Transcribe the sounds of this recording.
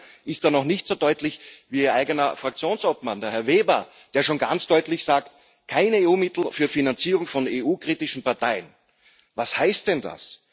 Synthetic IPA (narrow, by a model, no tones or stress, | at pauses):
ɪstaːnɔχnɪçtz̥oːdɔʏtlɪçviːiːɐʔaɪɡənɐfʁak̚t͡sjoːnsoːpmandeːɐhɛɐveːbɐ | d̥eːɐʃoːnɡant͡sd̥ɔʏtlɪçz̥aːkt | kʰaɪneːuːmɪtl̩fyːɐfinant͡siːʁʊŋfɔneːʔuːkʁ̥iːtɪʃn̩paɐtʰaɪən | vashaɪst̚d̥ɛnda̰s